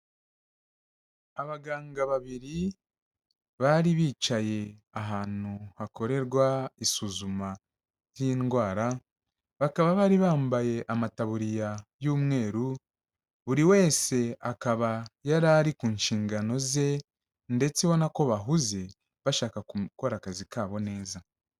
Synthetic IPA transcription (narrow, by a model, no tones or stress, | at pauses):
aβaɡaːŋɡaβaβiɾi | βaɾiβiːt͡ʃaje̞aɦaːn̥uhako̞ɾe̞ɾɡwaisuzuma | jiːnɡwaːɾa | βakaβaβaːɾiβaːmbaje̞ʔamataβuɾijajuːmŋe̞ːɾu | βuɾiwe̞ːse̞akaβajaɾaɾikuːnʃiːŋɡano̞ze̞ | nde̞t͡siβo̞nako̞βaɦuze̞ | βaʃaːkako̞ɾakazikaːβo̞ne̞ːza